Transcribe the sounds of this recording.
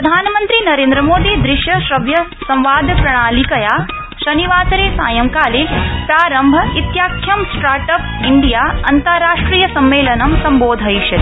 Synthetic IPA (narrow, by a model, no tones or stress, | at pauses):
pɾɾɐd̪ʱaːnɐmɐnt̪ɾinɐɾẽːnd̪ɾɐmoːd̪id̪ɾɪʃjɐʃɾɐʋjɐsɐ̃mʋaːd̪ʱpɾɐɽ̃aːlikɐjaː | ʃɐniʋaːsɐɾeːsa̰ːjɐmkaːleːpɾaːɾɐmbʱɐit̪jaːkʰːjɐmsʈaːɾʈɐp | iɳɖijaːɐ̰nt̪ɐɾaːʂʈɾiːjɐsɐmʋeːlɐnɐmsɐmboːd̪ʱɐjʃɐt̪